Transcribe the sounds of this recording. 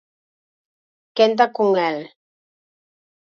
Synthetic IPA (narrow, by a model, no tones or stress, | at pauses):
kent̪̬akuŋɛl